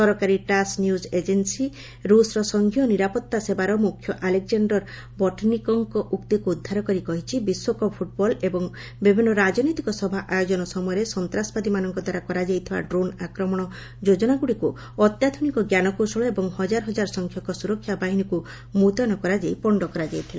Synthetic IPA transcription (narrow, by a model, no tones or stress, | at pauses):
sɔɾɔkaɾiʈasnjused͡ʒensi | ɾusɾɔsɔŋɡʱijɔniɾapɔt̪ːasebaɾɔmukʰːjɔʔalek̚d͡ʒaɳɖɔɾ | bɔʈʰnikɔŋkɔʔuk̚t̪ikuːd̪ʱːaɾɔkɔɾikɔɦit͡ʃʰibiswɔkɔpʰuʈ̚bɔlebɔŋ | bibʱinːɔɾad͡ʒɔnɔjt̪ikɔsɔbʱaʔajod͡ʒɔnɔsɔmɔjɔɾesɔnt̪ɾasɔ̥pad̪imanɔŋkɔd̪ʱaɾakɔɾad͡ʒajt̪ʰiba̰ɖɾonakɾɔmɔɽ̃ɔ | d͡ʒod͡ʒɔnaɡuɽiku | ɔt̪jad̪ʱɔnikɔɡjanɔkosɔɭɔebɔŋhɔd͡ʒaɾɔɦɔd͡ʒaɾɔsɔŋkʰjɔkɔsuɾɔkʰːjabaɦiniku | mut̪ɔnɔkɔɾad͡ʒejpɔɳɖɔkɔɾad͡ʒajt̪ʰila